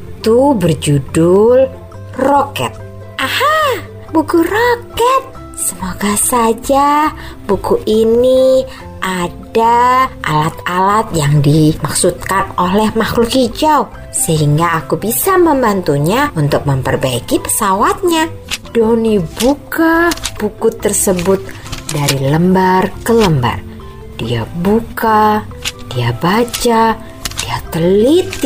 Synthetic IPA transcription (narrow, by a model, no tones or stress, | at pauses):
iit̪ubərd͡ʒudʊl | rokɛ̰t̪̚ | ʔaha | bukurokɛt̪̚ | səmoɡasad͡ʒa | bukuʔini | ʔadaʔa̰lat̪̚alat̪̚jaŋdimaksut̪̚kanolɛhmahlukid͡ʒau | səɦiŋɡaːkubisaməmbant̪uɲaunt̪ʊk̚məmpərbaikipə̥sawat̪̚ɲa | d̥onibukab̥ukʊt̪ːərsəbʊt̪̚ | daɾiləmbarkələmba̰r | d̥ḭa̰buka | d̥iabat͡ʃa | d̥iat̪əlit̪̚